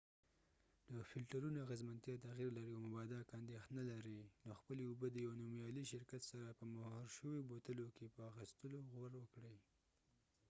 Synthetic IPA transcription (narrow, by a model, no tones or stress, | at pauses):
d̪̥əfɪlʈaɾunoaɣəzmant̪jɑt̪aɣiɾlaɾiawmabɑd̪akand̪ext̪nalaɾinoxpəleubəd̪əjawnomjɑliʃɪɾkat̪saɾapəmahɑɾʃəwebot̪əlokepəaxist̪əloɣwaɾwəkɽəj